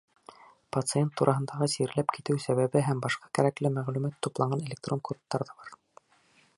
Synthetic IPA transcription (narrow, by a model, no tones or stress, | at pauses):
pɐt̪sɨe̞nt̪ːuɾʔɑɦɤ̆nd̪ɑʁɤsiɾlæpkit̪ɘwsæβæβɘɦæmbɑʃqɑ̥kæɾæklɘmæʁlʉmæt̪ːuplˠɑɴɢɑnelʲek̚t̪ro̞nkot̪ːɑɾðɑbɑɾ